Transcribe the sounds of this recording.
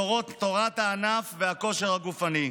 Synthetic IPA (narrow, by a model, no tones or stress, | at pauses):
oʁo̞t̪ːo̞ʁat̪haːnafveako̞ʃe̞ʁhaɡufani